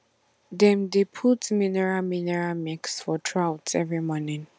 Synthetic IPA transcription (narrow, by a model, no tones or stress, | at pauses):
dɛ̃mdepʰutminɛɹaminɛɹamiksfɔtʰɹawtsɛvɹimɔnĩn